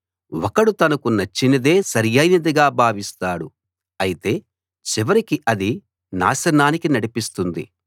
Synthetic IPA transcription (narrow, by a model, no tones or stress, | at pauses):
wɔkɐɽut̪ɐnɐkunɐt͡ʃːinɐd̪e̞ːsɐɾjɐjnɐd̪ɐɡaːbʱaːʋist̪aːɽu | ɐjit̪e̞ː | t͡ʃiʋɐɾikiʔɐd̪i | na̰ːʃɐnaːnikinɐɽipist̪und̪ḭ